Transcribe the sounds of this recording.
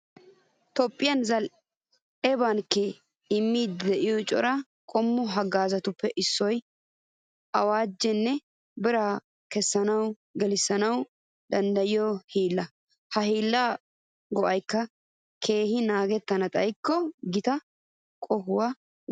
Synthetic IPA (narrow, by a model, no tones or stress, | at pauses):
t̪ɔpʼːɪjɐnzɐl | ɛbankːɛ | ɪmːiːd̪d̪ɛʔɪjɔt͡ʃʼɔ̰ɾɐ | kʼɔmːɔɦɐɡaːzɐt̪ʊpːɛʔɪsːɔj | ʔɐwaːd͡ʒːɛnːɛ | bɪɾa | kɛsːɐnɐw | ɡɛlɪsɐnɐw | d̪ɐnd̪ɐjɪjɔhiːlːɐ | hɐhiːlːaː | ɡɔʔɐjkːɐ | kʰe̞ːhɪnaːɡɛt̪ːɐnɐt̪ʼɐjkːɔɡɪt̪ɐ | kʼɔhʊwɐ